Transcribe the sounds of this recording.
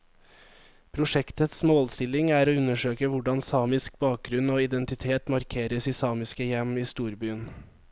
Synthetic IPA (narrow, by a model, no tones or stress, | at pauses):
pʰɾʊʃɛkt̪ət̪smoːlst̪ɪlɪŋæːɾoːʉnəʃøːkəʋʊɖɑnsɑːmɪsk̚bɑːk̚ɡɾʉnoːɪd̪ɛnt̪ɪt̪ʰeːt̪mɑɾkʰeːɾəsiːsɑːmɪskəjɛmiːst̪uːɾbyːən